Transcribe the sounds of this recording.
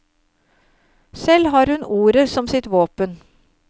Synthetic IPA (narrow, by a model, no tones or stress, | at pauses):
sɛlɦɑːɾhʉnuːɾəsɔmsɪt̪ʋoːpən